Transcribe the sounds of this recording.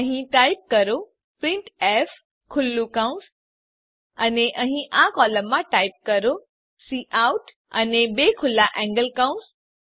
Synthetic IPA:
əɦĩʈaip̚kəɾo | pɾĩɳʈef | kʰʊlːukãũs | əneʔəɦĩʔãkɔləmːãʈaip̚kəɾo | siʔauʈ | ə̰nebekʰʊlːaʔɛ̃ŋɡəlkaũs

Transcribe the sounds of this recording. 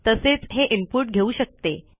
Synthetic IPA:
t̪əset͡sɦeʔimpuɾʈɡʱeuːɕək̚t̪e

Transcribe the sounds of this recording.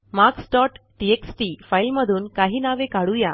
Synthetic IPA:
maɾksʈɔʈʈieksʈifajlməd̪ʱuːnkaɦiːnaʋekaɽuja

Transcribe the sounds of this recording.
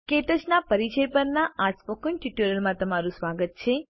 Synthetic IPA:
keʈəd͡ʒnapəɾit͡ʃəjpəɾnaʔaspəkunʈiʈuɾəlmãt̪əmaɾũsʋaɡət̪̚t͡ʃʰe

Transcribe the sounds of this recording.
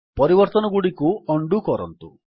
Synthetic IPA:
pɔɾibɔɾt̪ɔnɔɡuɽikuɔɳɖukɔɾɔ̰nt̪u

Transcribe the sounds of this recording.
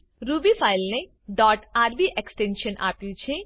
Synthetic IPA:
ɾubipʰajlne | ɖɔʈaɾbiʔeksʈenʃənʔa̰pjũt͡ʃʰe

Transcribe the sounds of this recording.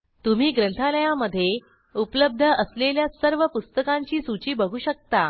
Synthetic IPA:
t̪um̤iːɡɾənt̪ʰaləjaməd̪ʱːje | upləb̚d̪ʱəəsleljasəɾʋəpust̪əkãɲt͡ɕiːsut͡ɕiːbəɡʱuːɕək̚t̪a

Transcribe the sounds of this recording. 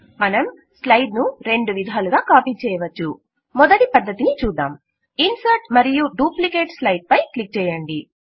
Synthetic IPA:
mɐnɐm | slɐjɖnuɾe̞ɳɖuʋid̪ʱaːluɡaːkaːpiːt͡ʃɛːjɐʋɐt͡ʃːu | mɔd̪ɐʈipɐd̪ːɐt̪init͡ʃuːd̪a̰ːm | insɐɾʈmɐɾijuɖuːplikeːʈslɐjɖ̚pɐjklik̚t͡ʃɛːjɐɳɖi

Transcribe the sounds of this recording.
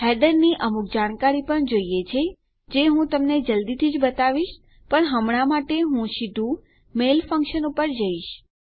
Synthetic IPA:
ɦɛɖəɾniʔəmuk̚d͡ʒaɽ̃kaɾipəɳd͡ʒoijet͡ʃʰe | d͡ʒeɦũt̪əmned͡ʒəld̪it̪ʰid͡ʒbət̪aʋiʃ | pəɳɦəmɽ̃amaʈeɦũʃid̪ʱũ | melfə̃ŋkʃənupəɾd͡ʒəiʃ

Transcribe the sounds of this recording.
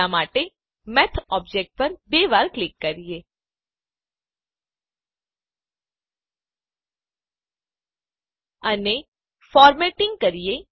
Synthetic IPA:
amaːʈe | mɛt̪ʰɔːp̚d͡ʒek̚ʈ̚pəɾbeːʋaːɾklɪkːəɾije | əne | fɔːɾmeʈɪ̃ŋɡ̚kəɾije

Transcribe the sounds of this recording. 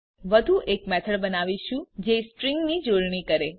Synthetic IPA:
ʋəd̪ʱuʔekmɛt̪ʰəɭbənaʋiʃũd͡ʒesʈɾiŋɡnid͡ʒoɽɳikəɾe

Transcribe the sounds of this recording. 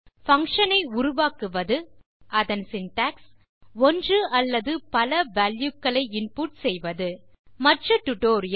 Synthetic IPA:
fɐŋkʂɐnɐɪʊɾʊʋaːkɯʋɐðɯ | ʔɐðɐnsɪnʈaːks | ɔndrɯɐlːɐðɯpɐlɐʋaːljʊkːɐɭɐɪɪnpuːʈsɛjʋɐðɯ | mɐʈrɯʈʊʈoːɾɪjɐ

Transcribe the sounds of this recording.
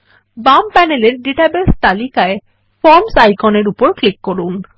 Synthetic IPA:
bampɛneleɾɖiʈabest̪alikae | fɔɾmsajkɔneɾupoɾklikːoɾun

